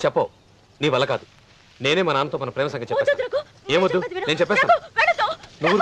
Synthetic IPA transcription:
t͡ʃɛpːɐː | niːʋɐlːɐkaːd̪u | ne̞ːne̞ːmɐnɐaːnɐt̪oːmɐnɐpɾɛːmɐsɐŋɡɐt͡ʃɛpːɛːsa | eːmʋod̪ːuneːnut͡ʃɛpːɛːst̪aː | nuʋːu

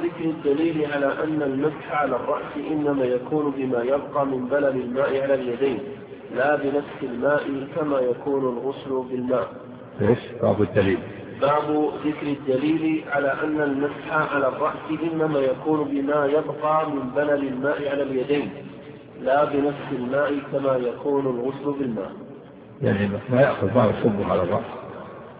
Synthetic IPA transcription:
ðɪkɾɪd̪ːaliːlɪʕalaːʔanːalmasħaʕalaːrˤːɑ̰ʔsɪʔɪnːamaːjakuːnʊbɪmaːjabqɑːmɪmbalalɪlmaːʔɪʕalaːljad̪ajn | laːbɪnafsɪlmaːʔɪkamaːjakuːnʊlɣʊslʊbɪlmaːʔ | ʔeːʃba̰ːʕbʊd̪ːaliːl | baʕbʊðɪkɾɪd̪ːaliːlɪʕalaːʔanːalmasħaʕalaːrˤːɑʔsɪʔɪnːamaːjakuːnbɪmaːjabqɑːmɪmbalalɪlmaːʔɪʕalaljad̪ajn | laːbɪnafsɪlmaːʔɪkamaːjakuːnʊlɣʊslʊbɪlma̰ːʔ | ja̰ʕnimamajaʔxʊðmaːʕbsʊbːʊʕalɑrˤːɑ̰ʔs

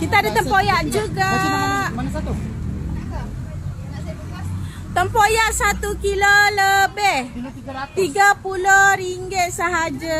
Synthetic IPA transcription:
kit̪aadat̪əmpojaʔd͡ʒuɡa | t̪u | t̪əmpojaʔsat̪ukiloləbɛh | t̪iɡapulohɾiŋɡet̪̚səɦad͡ʒa

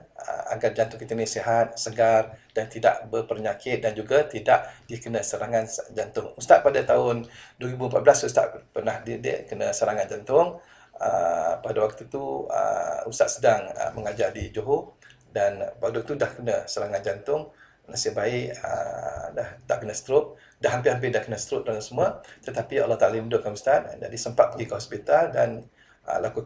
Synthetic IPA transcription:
ə̰a̰ɡard͡ʒant̪ʊŋkit̪əniseɦat̪̚səɡardant̪ida̰ʔbəpərɲakʰɪt̪̚dand͡ʒuɡat̪idaʔdiəkənə̃səɾaŋand͡ʒant̪ʊŋust̪aʔ̪̚padat̪aʊnduəɾibuəmpat̪̚blasust̪a̰ʔpərnahdidə̰kənəsəɾaŋand͡ʒant̪ʊŋ | əpadawak̚t̪ut̪uə̰ust̪aʔ̪sədaŋə̰məŋad͡ʒardid͡ʒoɦu | danpɾɔdʊk̚t̪udahkənə̃səɾaŋan̚d͡ʒant̪ʊŋ | nasɪhbaɪʔə̰daht̪aʔkənəsə̥t̪ɾʊt̪̚ | daɦampɪɦamp̬ɪdahkənəsə̥t̪ɾʊt̪̚daŋasəmuat̪ət̪apia̰lːɔht̪alimidʊʔ̚kːanməst̪at̪̚da̰ʔdisəmpat̪̚pəɡikəɦɔspit̪aldan | ə̰laku

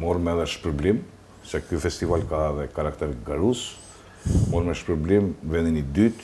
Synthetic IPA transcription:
mɔɾmɛðɛʃpəɾblim | sɛkyfɛst̪ivalkaɛðɛkaɾakt̪ɛɾɡaɾus | mɔɾmɛʃpəɾblimvɛninid̪yt̪

